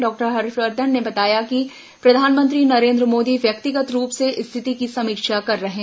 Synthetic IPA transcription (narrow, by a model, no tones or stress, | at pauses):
ɖɔːk̚ʈəɾɦɐɾfɾəɾd̪ʱənnebɐt̪aːjaki | pɾɐd̪ʱaːnmə̃nt̪ɾinɐɾẽːnd̪ɾəmoːd̪iʋjɐkt̪ɪɡət̪ɾuːpseʔɪst̪ʰɪt̪ikisɐmikʃakɐɾːɐɦẽː